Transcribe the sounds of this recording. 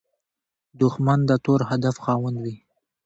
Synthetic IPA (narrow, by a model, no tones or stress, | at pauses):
d̪ʊxmand̪ət̪oɾhad̪afxɑwand̪wi